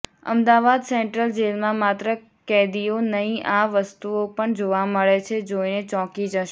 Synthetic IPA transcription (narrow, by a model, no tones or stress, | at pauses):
ə̰md̪aʋad̪sɛɳʈɾəld͡ʒelmãmat̪ɾə | kɛd̪ionəɦĩʔaʋəst̪uopəɳd͡ʒoʋaməɭet͡ʃʰed͡ʒoinet͡ʃɔ̃kid͡ʒəʃe